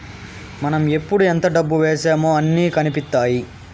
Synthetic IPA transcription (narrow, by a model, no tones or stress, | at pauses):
mɐnɐme̞pːuɽuent̪ɐɖɐbːuʋeːseːmoːɐnːiːkɐnipit̪ːaːji